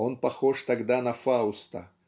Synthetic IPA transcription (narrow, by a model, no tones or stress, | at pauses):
onpɐxoʂt̪ɐɡd̪anɐfaʊst̪ɐ